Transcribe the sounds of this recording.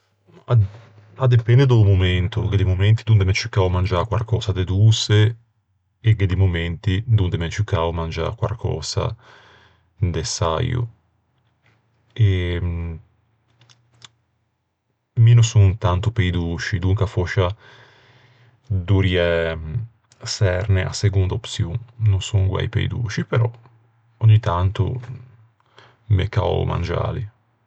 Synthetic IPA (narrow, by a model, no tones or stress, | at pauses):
a | ad̪epɛnd̪ed̪omoment̪oked̪imoment̪id̪und̪emet͡ʃukːaːomand͡ʒakwa̰lkɔːsad̪ed̪use | eked̪imument̪id̪und̪emet͡ʃukːaːomand͡ʒa̰kwa̰lkʰɔ̰ːsa̰ | d̪esa̰jṵ | e | minusuŋt̪ant̪upejd̪uːt͡ʃid̪uŋkafɔʃa | d̪uɾjɛ | sɛɾneʔa̰seɡund̪aopsjunnunsuŋɡwa̰jpḛjd̪ṵːt͡ʃipeɾɔ | oɲːit̪ant̪ṵ | mḛka̰ma̰nd͡ʒa̰ːlḭ